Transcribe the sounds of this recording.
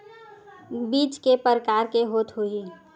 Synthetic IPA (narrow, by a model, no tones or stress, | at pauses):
biːt͡ʃkepəɾəkaːɾkeɦoːt̪ɦoi